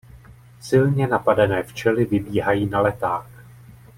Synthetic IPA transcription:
sɪlɲɛnapadɛnɛːft͡ʃɛlɪvɪbiːɦajiːnalɛt̪aːx

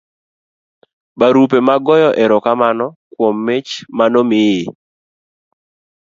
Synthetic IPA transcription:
baɾup̬emaɡɔjɔʔɛɾɔkamanɔkwɔmːet͡ʃmanomɪje

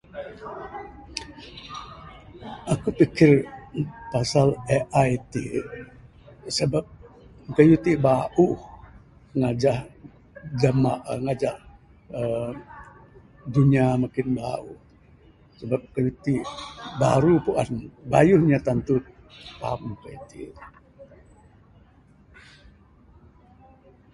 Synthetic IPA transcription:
ʔakupikɪr | pasaleʔajt̪ḭ | səbap̚ | kajut̪ibaʔuh | ŋad͡ʒah | damaŋad͡ʒah | ə | duɲiamakɪnba̰uh | səbap̚kəjut̪iba̰ɾupuʔa̰nba̰juhɲat̪ant̪u | pa̰mkət̪ḭ

